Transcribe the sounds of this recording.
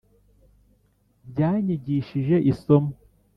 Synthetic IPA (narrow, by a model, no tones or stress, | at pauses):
ɟaːɲiɟiːʃiʒeʔisom